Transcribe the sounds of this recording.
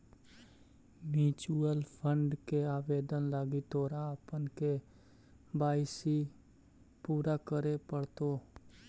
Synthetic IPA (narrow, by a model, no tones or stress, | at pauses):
miːt͡ʃuəlpʰə̃ɳɖkeaːʋeːd̪ənlaɡit̪oːɾapənke | baːɪsi | puːɾakəɾepəɽt̪oː